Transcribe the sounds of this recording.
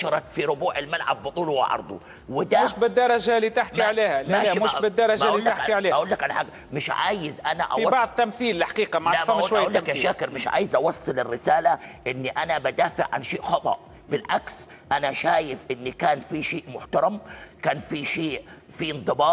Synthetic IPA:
ʃɑɾˤɑt̪fiɾʊbuːʕɪlmalʕa̰bːɨt̪ˤuːluwɪ̰ʕɑ̰ɾˤd̪ˤṵ | wɪd̪amɪʃbɪd̪ːɑɾˤɑʒaliːt̪aħkiʕaleːhalmɪʃbɪd̪ːɑɾˤɑʒilaaiʕaleːʔaʔuːlːakʔanaħaɡː | mɪʃʕa̰ːjɪzʔanaʔa̰bɑʕðˤt̪ːamθiːlːħḁqiːqɑmaʕfaʔuːʃwajːuːlːakjaʃaːkɪɾmɪʃʕa̰ːjɪzʔɑwɑsˤːɨlɪrːɪsaːlaʔɪnːiʔanabad̪aːfɪʕʕa̰nʃeːʔxɑt̪ˤɑ̰ʔ | bɪlʕaks | ʔanaʃaːjɪfʔɪnːikaːnfiʃeːʔmʊħt̪ɑɾˤɑmkaːnfiʃeːʔ | fiɪnd̪ˤɨbɑː

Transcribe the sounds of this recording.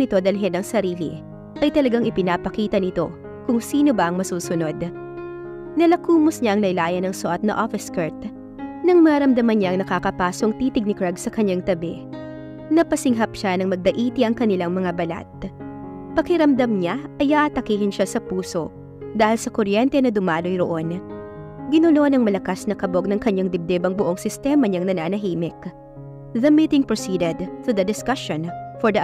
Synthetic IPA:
nɪt̪o̞d̪ɐlɦɛnɐŋsɐɾiːlḭ | ʔɐjt̪ɐlɐɡaŋʔɪpɪnaːpɐkiːt̪ɐnɪt̪o̞̰ | kʊŋsiːnobɐʔɐŋmɐsuːsʊno̞d̪ | nɐlɐkuːmʊsɲaʔɐŋlɐjlaːjɐnɐŋsʊʔɐt̪̚nɐ̰ʔofɛskɐɹt̪ | nɐŋmɐɐɾɐmd̪ɐmɐnɲaʔɐŋnɐkaːkɐpaːso̞ŋt̪iːt̪ɪɡ̚nɪkɹɐɡsɐkɐɲːaŋt̪ɐbɛ | nɐpɐsɪŋɦɐpʃanɐŋmɐɡ̚d̪ɐʔiːt̪ɪʔɐŋkɐnɪlaŋmɐŋabɐla̰t̪̚ | pɐkɪɾɐmd̪ɐmɲaʔɐjaʔɐt̪ɐkiːhɪnʃasɐpuːso̞ | d̪aːhɪlsɐkoɾjɛnt̪ɛnɐd̪ʊmaːlo̞jɾoʔo̞n | ɡɪnulonɐŋmɐlɐkasnɐkɐbo̞ɡ̚nɐŋkɐɲːaŋd̪ɪb̚d̪ɛbɐŋbʊʔoŋsɪst̪ɛmɐɲaŋnɐnaːnɐɦiːmɪk | ðɐmiːt̪ɪŋpɹosiːd̪ɛd̪t̪ud̪ɐd̪ɪskɐʃonfɔɹd̪ɐ

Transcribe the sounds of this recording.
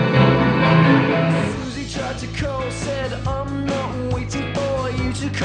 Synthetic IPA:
suzitʰɹ̥aɪd̚tʰɨkʰoʊsɛɾãɪ̃mnət̚weɪɾɪ̃ŋfə˞jɨɾɨkʰ

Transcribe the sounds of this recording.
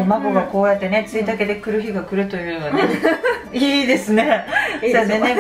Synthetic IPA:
maɡo̞ɡako̞ːjat̪ːene̞t͡sɨid̪ake̞d̪e̞kɯ̟ɾɯ̟çiɡakɯ̟ɾɯ̟t̪o̞jɯ̟ːnod̪e | iːd̪e̞sɨne̞sed̪ene

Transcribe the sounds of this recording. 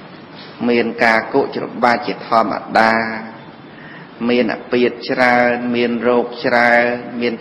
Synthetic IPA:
miənkaːkuəʔt͡ɕro̰ɓaːt͡ɕiət̪ʰɔ̆əmːa̰ɗaː | miənʔa̰piət̪̚t͡ɕraənmiənrɔːk̚t͡ɕraənmiən

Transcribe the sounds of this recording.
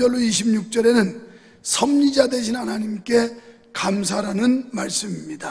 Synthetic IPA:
ʌɭːoiɕʰibɲuk̚t͡ɕ͈ʌɾe̞nɯn | sʰʌmɲid͡ʑade̞ɕʰinɦanaɲimk͈e̞ | kams̬ʰaɾanɯnmaɭs͈ɯmimɲida

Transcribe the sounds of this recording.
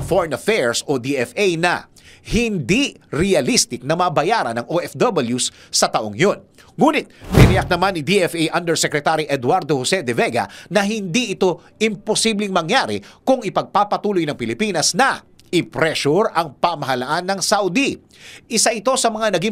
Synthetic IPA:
foɹɛnɐfɛɹsod̪iɛfejnɐ̰ | hɪnd̪iɾɛɐlist̪ɪk̚nɐmɐbɐjaɾɐ̰nɐŋoʔɛfd̪ɐbɐljusːɐt̪ɐʔoŋjon | ŋuːnɪt̪̚bɪnɪjɐk̚nɐmanːɪd̪iʔɛfʔejʔɐnd̪ɛɹsɛkɾɛt̪aɾiʔɛd̪waɾd̪ohosɛd̪ɛvɛɡɐ̰nɐɦɪnd̪iʔɪt̪o̞ | ɪmposiblɪŋmɐŋjaɾɪ̰kʊŋɪpɐɡ̚papɐt̪uːlojnɐŋpɪlɪpiːnɐsnɐ | ɪpɾɛʃuɾɐŋpɐmɐɦɐlɐʔanːɐŋsawd̪i | ʔɪsaʔɪt̪o̞sɐmɐŋanɐɡiŋ

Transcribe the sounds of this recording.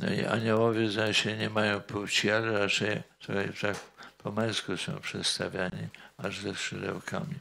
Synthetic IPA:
nɔ̰ḭʔa̰ɲawɔvʲjɛzɔ̃wɕɛɲɛmajɔ̃w̃puwt͡ɕialɛɾat͡ʂɛjt̪ɾɔxɛft̪akpʰɔmɛ̃nskusɔ̰̃w̃pʂɛt̪st̪avʲjaɲiaʐzɛsʂɛd̪ɛ̰wkʰa̰mʲi

